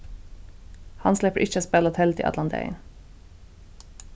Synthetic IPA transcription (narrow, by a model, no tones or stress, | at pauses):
hɑnslɛpəʔɪçəspɛlɔt̪ʰɛlt̪ʰḭʔɑ̰t̪lɑnt̪ʰḛɪ̰n